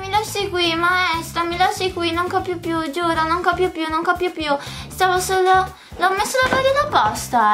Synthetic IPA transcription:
milasikwimaɛst̪ɾamilasikwinoŋkɔpjopjud͡ʒuːɾonoŋkɔpjopjunoŋkɔpjopjust̪aːvosoːlo | lɔmːesːolabaɾinapɔst̪a

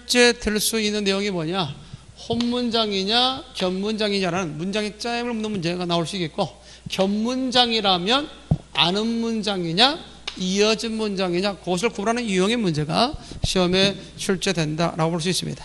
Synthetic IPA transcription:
t͡ɕʰɭt͡ɕ͈e̞dɯɭs͈uinːɯnːe̞joŋimʌɲa | honmund͡ʑaŋiɲakjʌnmund͡ʑaŋiɲaɾanɯnmund͡ʑaŋet͡ɕ͈aimɯɭmunːɯnmund͡ʑe̞ɡanaoɭs͈uik͈ːet̚k͈o | kjʌmmund͡ʑaŋiɾamjʌn | a̰nɯnmund͡ʑaŋiɲa | iʌd͡ʑinmund͡ʑaŋiɲakɯɡʌs̬ʰɯɭkubɾɦanɯnjujʌŋemund͡ʑe̞ɡa̰ɕʰiʌme̞ | t͡ɕʰuɭt͡ɕ͈e̞dwe̞nda̰ɾa̰ɡopoɭs̬͈uis͈ɯmɲḭd̥ḁ

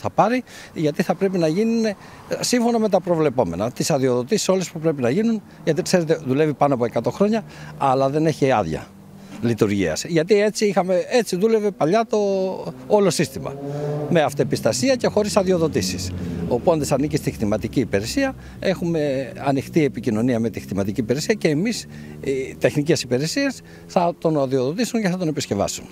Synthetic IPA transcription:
θɐpɐɾi | ʝɐt̪iθɐpɾe̞pinɐʝinune | siɱfo̞nɐme̞t̪ɐpɾo̞vle̞po̞me̞̰nɐt̪isɐðio̞ðo̞t̪isi̥so̞lespupɾe̞p̬inɐʝinun | ʝɐt̪ikse̞ɾe̞t̪e̞ðule̞vipɐnoɐpoekɐt̪o̞xɾo̞ɲɐɐlɐðe̞neçiɐ̰ðʝɐ̰ | lit̪uɾʝḭɐ̰sʝɐt̪ie̞t͡siixɐmee̞t͡siðule̞ve̞pɐʎɐt̪o̞olo̞sist̪imɐ̰me̞ɐft̪oepist̪ɐsiɐce̞xo̞ɾisɐðio̞ðo̞t̪isisopund̪esɐnicist̪ixt̪imɐt̪iciːpeɾesiɐ | e̞xume̞ɐnixt̪ie̞picino̞niɐme̞t̪ixt̪imɐt̪iciːpeɾesiɐce̞ːmis | it̪e̞xnice̞sipeɾesies | θɐt̪o̞nɐðioðo̞t̪isunceθɐt̪̬one̞pisce̞vɐ̰sun

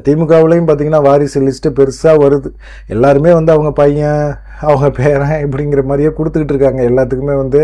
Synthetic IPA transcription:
t̪iːmɯkːaːʋɪlɐjʊmpaːɾt̪iːŋɡɐnːaːʋaːɾɪsɯlɪsʈɯpɛɾɯsaːʋɐɾɯðɯ | ɛlːaːɾɯmeːʋɐnd̪ɯɐʋɐŋɡɐpɐjɐ̃ | ɐʋɐŋɡɐpeːɾãɛpːɐɽɪŋɡɪɾɐmaːd̪ɾɪjeːkʊɽɯt̪ːɯkːɪʈːɾɯkːaːŋɡɐɛlːaːt̪̬ːɯkːɯmeːʋɐnd̪ɯ

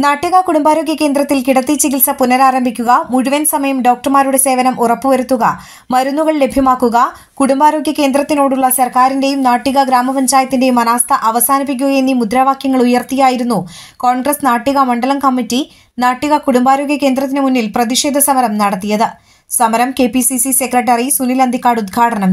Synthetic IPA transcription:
naːʈːuɣɐkuɽumbaːɾo̞ːɡjɐke̞ːnd̪rɐt̪ːilkiɽɐt̪ːit͡ɕikilsɐpunːɐɾaːɾɐmbʱikʲːuɣɐmuɻuʋɐnsɐmɐjɐmɖo̞ːk̚ʈrɐmaːɾuɽe̞se̞ːʋɐnɐmʔurɐpːɨʋɐɾut̪ːuɣɐ | mɐɾunːuɣɐɭle̞bʱjɐmaːkːuɣɐ | kuɽumbaːɾo̞ːɡjɐke̞ːnd̪ɾɐt̪ːino̞ːɽuɭːɐsɐrkaːɾinde̞jumnaːʈːiɣɐɡɾaːmɐpɐɲd͡ʑaːjɐt̪ːinde̞jumɐnaːst̪ʰɐʔɐʋɐsaːnip̬ːik̬ʲːuɣɐjenːimud̪ɾaːʋaːkjɐŋːɐɭujɐrt̪ijaːjiɾunːuko̞ːɳɡrɐsnaːʈːiɣɐmɐɳɖɐlɐmkɐmːitːi | naːʈːuɣɐkuɽumbaːɾo̞ːɡjɐke̞ːnd̪rɐt̪ːinemunːilprɐðiʂe̞ːd̪ʱɐsɐmɐɾɐmnɐɽɐt̪ːijɐðɨ | sɐmɐɾɐmke̞ːpisisise̞krɐʈ̬ːɐrisunilɐnd̪ʱikːaːɽud̪̚ɡʰʱaːʈɐnɐm

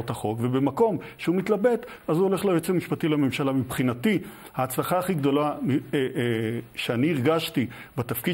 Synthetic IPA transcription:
ot̪haχo̞kve̞be̞mako̞mʃeumit̪labe̞t̪azuo̞le̞χlaet͡semiʃpat̪ileme̞mʃalamibχinati | haːt͡slaχaːχiɡd̪o̞lami | ʃeaniːʁɡaʃt̪i | bet̪afki

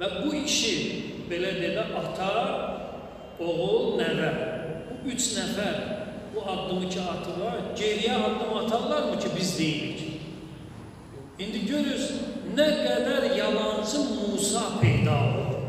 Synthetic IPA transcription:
væbuiʃibe̞læd̪ejlæʔɑt̪ʰɑ | oʁulˠnævæɾbuyt͡ʃʰnæfæɾ | b̥uɑd̪ːɯmɯcʰiɑt̪ʰɯʁɑɟeɾijæɑd̪ːɯmɑt̪ʰɑɣlˠɑɾmɯcʰibizd̪ejilicʰ | ind̪iɟøɾyznæɡæd̪æɾjɑlˠɑnt͡ʃʰɯmuːsɑpʰejd̪ɑːlˠɯ

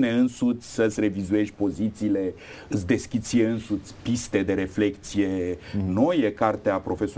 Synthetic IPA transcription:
ne̞ɨnsut̪sʲsəsʲre̞vizue̞ʒʲpo̞zit̪siːle̞ | ɨsʲd̪e̞skʲit̪sijeɨnsut̪sʲpist̪e̞d̪e̞ɾe̞fle̞kt̪sije̞no̞jekart̪eapɾo̞fe̞so

